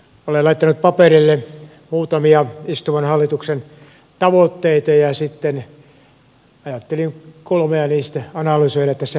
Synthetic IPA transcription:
olelɑit̪ːɑnut̪̚pɑperilːe | muːt̪ɑmiɑist̪umɑnhɑlːit̪uksen | t̪ɑʋot̪ːeit̪ɑjɑsit̪ːen | ɑjɑt̪ːeliŋkolmeɑniːst̪æɑnɑlysoiɾɑet̪ːæsːæ

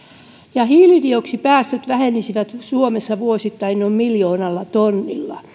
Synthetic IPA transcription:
jɑhiːlidioksipæːst̪øt̪ʋæhenːisiʋæt̪suomesːɑʋuosit̪ːɑinːommiljoːnɑlːɑt̪onːḭlːɑ̰

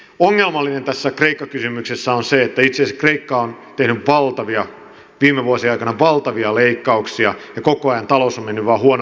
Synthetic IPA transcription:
oŋːelmɑlːinent̪æsːækreikːɑkysymyksesːæonseet̪ːæit̪sesikreikːɑont̪ehnyʋʋɑlt̪ɑʋiɑ | ʋiːmːeʋuɑsiɑikɑnɑʋɑlt̪ɑʋiɑleikːɑuksiɑjɑkokoɑjɑnt̪ɑlosomenːyʋʋɑːhuon

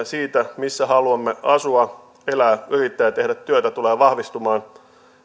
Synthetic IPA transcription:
siːt̪æmisːæhɑluɑmːeɑsuɑ | elæːyrit̪ːæjt̪ehdæt̪t̪ːyøt̪æt̪uleːʋɑhʋist̪umɑːn

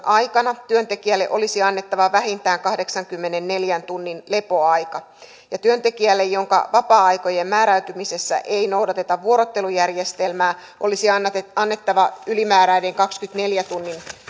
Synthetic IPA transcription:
ʔɑjkɑnɑt̪yø̞nt̪e̞kiælːeʔo̞lisiɑnːe̞t̪ːɑʋɑʋæɦint̪æːŋkɑhde̞ksɑŋkymːe̞ne̞nːe̞ljænt̪unːinle̞po̞ɑjkɑ | jɑt̪yø̞nt̪e̞kiælːejjoŋkɑ̰ʋɑpɑːɑjko̞je̞mmæːɾæyt̪ymise̞sːæ̰ʔe̞inowdɑt̪e̞t̪ɑʋːuo̞ɾot̪ːe̞lujærjest̪e̞lmæː | ʔo̞lisiɑnːet̪ːɑʋɑylimæːɾæideŋkɑkskyt̪ne̞ljæt̪unːin

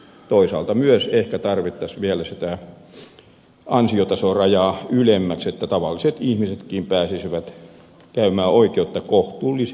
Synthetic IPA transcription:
t̪oisɑ̰ːlt̪ɑmyøsehkæt̪ɑrʋit̪ːɑsʋielæsit̪æ | ɑnsiot̪ɑsorɑjɑːylemːækset̪ːæt̪ɑʋɑlːiset̪ihmiset̪kiːmpæːsisiʋæt̪ | kæymæːʔoikeut̪ːɑkoht̪uːlːis

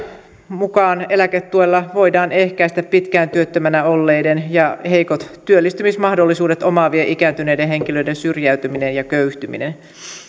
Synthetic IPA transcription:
mukɑːne̞læket̪ːuelːɑʋo̞idɑːne̞hkæist̪æppit̪kæːnt̪yøt̪ːømænæolːejdenjɑhe̞jkot̪t̪yølːist̪ymismɑhdo̞lːisuːdet̪omɑːʋieʔikæːnt̪ynejdeɦe̞ŋkilø̞jdensyrjæyt̪yminenjɑkøyht̪ymḭnen

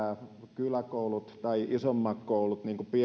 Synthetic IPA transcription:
ækylækoˑulut̪t̪ɑiʔisomːɑkkoˑulut̪niːŋkupi

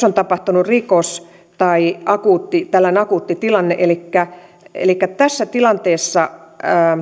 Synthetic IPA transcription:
ont̪ɑpɑht̪unurikos | t̪ɑiɑkuːt̪ːit̪ælːænɑkuːt̪ːit̪ilɑnːeʔelikːæ | ḛlikːæt̪æsːæt̪ilɑnt̪eːsːɑəː

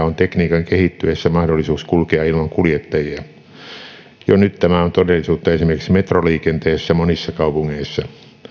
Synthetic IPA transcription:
ont̪ekniːkɑŋkehit̪ːyesːæmɑhdolːisuːskulkeɑilmɑŋkuljet̪ːɑjiæ | jonyt̪t̪æmæont̪odelːˑisuːt̪ːɑesimerkiksmet̪roliːkent̪eːsːæmonisːɑkɑupuŋːeisːɑ

